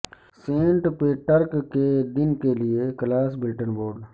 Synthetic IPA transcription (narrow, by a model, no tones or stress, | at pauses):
sẽːɳʈpeʈəɾkked̪ɪnkelɪeklaːs̬bɪlʈənboːɖ